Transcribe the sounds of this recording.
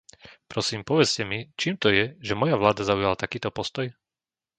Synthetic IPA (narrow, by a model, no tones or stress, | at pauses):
pɾɔsiːmpɔʋɛt͡scɛmit͡ʃiːmt̪ɔjɛʒɛmɔjaʋlaːd̪azaujalat̪akiːt̪ɔpɔst̪ɔj